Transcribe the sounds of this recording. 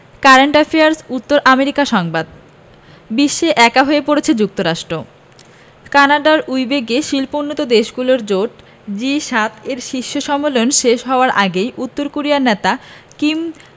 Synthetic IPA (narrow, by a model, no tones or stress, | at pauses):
kaɾeɳʈafeaɾsut̪ːoɾʔameɾikaʃɔŋbad̪ | biʃːeʔɛkaɦoepoɾet͡ɕʰed͡ʑuk̚t̪oɾaʃʈɾo | kanaɖaɾujbeɡeʃilponːot̪od̪eʃɡuloɾd͡ʑoʈ | d͡ʑiʃat̪ʰeɾʃiʃːoʃɔmːolonʃeʃɦɔoaɾʔaɡejʔut̪ːoɾkoɾiaɾnet̪akim